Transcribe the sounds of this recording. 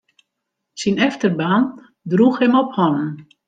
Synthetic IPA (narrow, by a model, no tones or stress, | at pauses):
sinɛftərbaːn | druxhɛmɔphɔnn̩